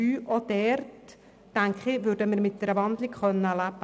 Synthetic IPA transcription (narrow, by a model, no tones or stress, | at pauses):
yːʔod̪̥ɛrtː | æŋkχɪʋʉɾdəmɪɾmɪt̚d̪ɛɾəʋɑnd̪likχœnːəlæbə